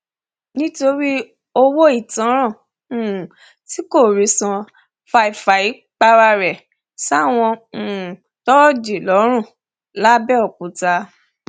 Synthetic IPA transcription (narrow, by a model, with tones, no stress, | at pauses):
nĩ˦to˧ɾi˦ | o˧wo˦i˦˨tã˨˦ɾ̃ã˦˨ | ũ˨ | ti˨˦ko˦˨ɾi˨˦sã˧ | fa˧i˨fa˨i˨˦ | k͡pa˧ɾa˧ɾɛ˨ | sa˦˨w̃ɔ̃˧ũ˨ | tɔ˦˨d͡ʒe˨lɔ˨˦ɾ̃ũ˦˨ | la˦bɛ˦ɔ˨k͡pũ˨ta˧